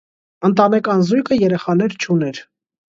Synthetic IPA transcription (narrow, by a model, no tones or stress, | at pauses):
ənt̪ɑnɛkɑnzujkʰəjɛɾɛχɑnɛɾt͡ʃʰunɛɾ